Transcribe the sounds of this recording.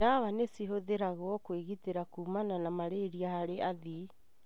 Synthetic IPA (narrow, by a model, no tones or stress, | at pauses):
aβanesiɦoðeɾaɣɔkweɣiteɾakumananamaɾeɾiahaɾeʔaði